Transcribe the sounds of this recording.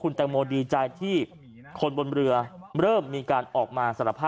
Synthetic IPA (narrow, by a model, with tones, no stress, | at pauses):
kʰu˧nt̪ɛː˧ŋmoː˧diː˧t͡ɕaː˧jt̪ʰiː˥˩ | kʰo˧nbo˧nɾɯ˧ɐɾɤː˥˩mːiː˧kaː˧nʔɔː˨˩k̚maː˧sa˧˩ɾa˧˩pʰːaː˥